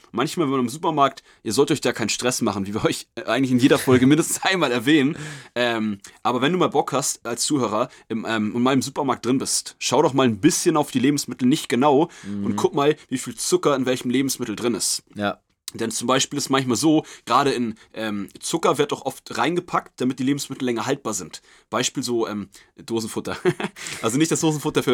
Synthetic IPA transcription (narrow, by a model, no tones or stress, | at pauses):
mançmaːlvɛmanɪmzuːpɐmaɐk̚t | ʔiːɐzɔltəʔɔçd̥aːkʰaɪnʃtʁ̥ɛsmaχn̩viːviːɐʔɔʏçʔaɪɡŋtlçɪnjeːdɐfɔlɡəmɪndəstn̩sʔaɪnmaːlɛɐvɛːnənʔɛːmʔaːbɐvɛnduːmaːlbɔkhastʔalst͡suːhøːʁɐʔɪmʔɛːmʊntmaːlɪmzuːpɐmaːɐk̚d̥ʁɪnbɪstʃaʊdɔχmaːlnbɪsçənaʊfd̥iːleːbm̩smɪtl̩nɪçtɡ̥ənaʊʔʊntkʰʊk̚maːlviːfiːlt͡sʊkɐɪnvɛlçəm̩leːbm̩smɪtl̩dʁɪnɪst | d̥ɛnt͡sʊmbaɪʃpiːlɪstmançmaːlzoːɡ̥ʁaːɾəɪnʔɛːmt͡sʊkɐvɪɐt̚dɔχʔɔftʁaɪnɡəpʰak̚t̚d̥amɪt̚d̥iːleːbm̩smɪtl̩lɛŋɐɦalt̚b̥aːɐzɪnt | b̥aɪʃpiːlzoːʔɛːm | d̥oːzn̩fʊtɐʔalzonɪçt̚d̥asd̥oːzn̩fʊtɐfyːɐ